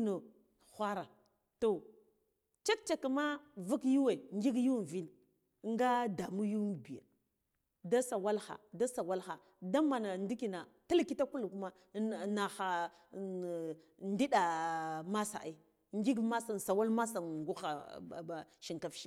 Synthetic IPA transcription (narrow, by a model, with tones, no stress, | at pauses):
no˨ | xʷa˦ɾa˨ | to˨ | t͡ʃa˦k̚t͡ʃa˨ki˨ma˦vu˦kju˦we˨ŋɡi˦ɡju˦˨vi˦n˦ | ŋ˦ɡa˦da˨mu˦ju˦m˨bi˨ja̰˨ | da˦sa˨wa˦lxa̰˨da˦sa˨wa˦lxa˨ | da˦ma˨na˨ndi˦ki˨na˨ta˦lki˦ta˦ku˦lku˦ma˦˨ | na˨xa˨ | ndi˦ɗa˨ma˦sa̰˨ʔ | ŋɡi˦ɡma˦sa˨n˨sa˨wa˦lma˦sa˨nɡu˦xa̰˨ba˨ʃi˨ŋka˨fʃi˦